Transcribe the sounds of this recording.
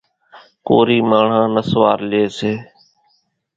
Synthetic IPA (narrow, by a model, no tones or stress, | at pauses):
koːɾiːmaːɳ̤ãːnəsʋaːɾleːseː